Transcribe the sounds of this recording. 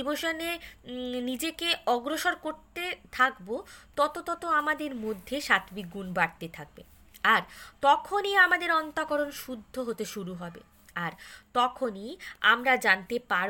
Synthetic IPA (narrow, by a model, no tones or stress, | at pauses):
iboʃone | nid͡ʑekeɔɡɾoʃoɾkoɾt̪et̪ʰakbot̪ɔt̪ot̪ɔt̪oamad̪eɾmod̪ʱːeʃat̪bik̚ɡunbaɾt̪et̪ʰak̚bḛ | aɾt̪ɔkʰoniamad̪eɾɔnt̪akɔɾonʃud̪ʱːoɦot̪eʃuɾuɦɔbḛ | aɾt̪ɔkʰonia̰mɾad͡ʑant̪epaɾ